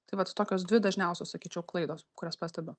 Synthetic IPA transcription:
t̪ɐɪʋɐt̪t̪oːkʲoːsd̪ʲʋʲɪd̪ɐʒʲnʲɛʊsʲoːssɐkʲiːt͡ʃʲɛʊklˠɐɪd̪oːskʊɾʲoːspɑːsʲt̪ʲɛbʲʊ

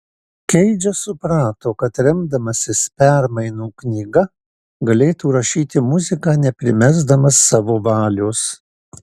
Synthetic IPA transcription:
kʲɛɪd͡ʒʲɛsʊpɾɑːt̪oːkɐt̪ɾʲɛmd̪ɐmɐsʲɪspʲɛɾmɐɪnuːknʲiːɡɐ | ɡɐlʲeːt̪uːɾɐʃʲiːt̪ʲɪmʊzʲɪkɑːnʲɛpʲɾʲɪmʲæzd̪ɐmɐsːɑːʋoːʋɑːlʲoːs

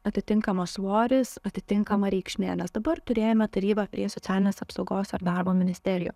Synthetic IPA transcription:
ɐt̪ʲɪt̪ʲɪŋkɐmɐsʋoːɾʲɪsɐt̪ʲɪt̪ʲɪŋkɐmɐɾʲɛɪkʃʲmʲæːnʲɛsd̪ɐbɐrt̪ʊɾʲeːjomʲɛt̪ɐɾʲiːbɐpʲɾʲiɛsotsʲæːlʲɪnʲeːsɐpsɐʊɡoːsɐɾd̪ɑrboːmʲɪnʲɪsʲt̪ʲɛɾʲɪjṵː

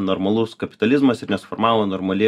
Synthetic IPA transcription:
noɾmɐlˠʊskɐpʲɪt̪ɐlʲɪzmɐsɪɾnʲɛsfɔɾmɑːlˠɐnɔːɾmɐlʲe

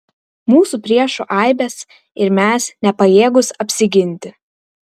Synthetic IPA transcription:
muːsupʲɾʲiɛʃuʔɐˑɪbʲɛs | ɪɾmʲæːsnʲɛpɐjeːɡʊsɐpʲsʲɪɡʲɪnʲˑt̪ʲɪ

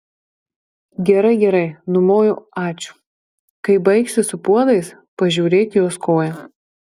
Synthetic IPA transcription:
ɡʲɛɾɐɪɡʲɛɾɐɪnʊmoːjʊɑːt͡ʃʲʊ̥ | kɐɪbɐɪksʲɪsʊpuɔd̪ɐɪs | pɐʒʲuːɾʲeːt̪ʲjoːskoːjɛ

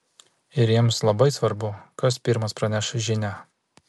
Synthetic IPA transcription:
ɪɾjiɛmslˠɐbɐɪsʋɐɾbʊkɐspʲɪɾmɐspɾɐnʲæʃɐʒʲɪnʲæ

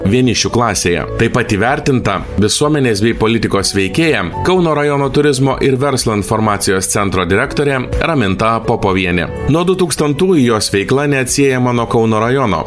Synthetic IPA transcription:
ʋʲiɛnʲɪʃʲuklˠɑːsʲeːjɛ̰t̪ɐɪpɐt̪iːʋʲæɾʲt̪ʲɪnt̪ɐ | ʋʲɪsuɔmʲɛnʲeːs̬bʲɛɪpolʲɪt̪ʲɪkoːsʋʲɛɪkʲeːjɛkɒʊnoːɾɐjɔnoːt̪ʊɾʲɪzmoːʔɪɾʋʲɛɾslˠoːɪnfɔɾmɑːt̪sʲɪjoːst̪sʲɛnt̪ɾoːd̪ʲɪɾʲɛkt̪oːɾʲɛɾɐmʲɪnt̪ɐpoːpoːʋʲiɛnʲɪ̰ | nuɔd̪ʊt̪uːkst̪ɐnt̪uːjʊjoːsʋʲɛɪklˠɐnʲɛɐt̪ʲsʲiɛjɛmɐnuɔkɒʊnoːɾɐjɔno̰ː

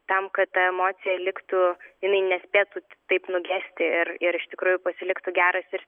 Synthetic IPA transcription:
t̪ɐmkɐt̪t̪ɐɛmoːt̪sʲɪjɛlʲɪkt̪ujɪnɐɪnʲɛsʲpʲeːt̪uːt̪ɐɪpnʊɡʲæːsʲt̪ʲɪɪrɪɾɪʃt̪ʲɪkɾuːjʊpɐsʲɪlʲɪkt̪uɡʲæːɾɐsɪɾ

